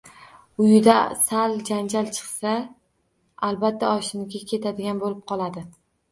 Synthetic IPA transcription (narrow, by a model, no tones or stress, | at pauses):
ʊjɪd̪asald͡ʒand͡ʒalt͡ʃʰɨ̥qsa | alˠbat̪ʰːaɒʃɪmɡʲakʲʰe̞t̪ʰad̪ɪɡʲanbolɪp̚qʰɒlˠad̪ɪ